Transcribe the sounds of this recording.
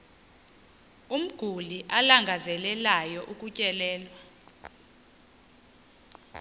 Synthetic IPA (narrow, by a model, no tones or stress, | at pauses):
um̩ɡ̥ʱuliʔalaŋɡʱazɛlɛlajɔʔuk̬ʼucʼɛlɛːlwa